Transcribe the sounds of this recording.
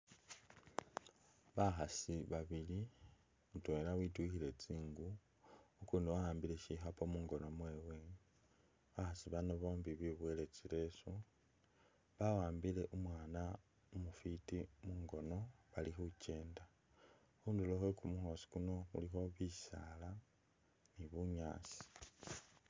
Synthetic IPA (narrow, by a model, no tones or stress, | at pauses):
βaxasiβaβili | mutoelawitwixile̞t͡siːŋɡu | ukuːnduwawaːmbile̞ʃixapo̞muːŋɡo̞no̞mwe̞ːwe̞ | βaxasiβanoβo̞ːmbiβiβwele̞t͡sile̞so | βawaːmbile̞ʔumwaːna | umufitimuːŋɡo̞no̞βalixuce̞ːnda | xuːnduloxwekumuxo̞si̥kuno̞xṵlixo̞βisala | niβuɲaːsi̥